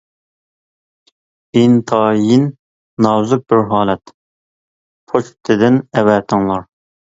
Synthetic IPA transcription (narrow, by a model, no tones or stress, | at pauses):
int̪ʰɑːjinː | ɑwzup̚bɪɾɦɑːlɛt̪ | pʰot͡ʃt̪ʰɪd̪ɪnɛwɛːt̪ʰɪŋlˠɑɾ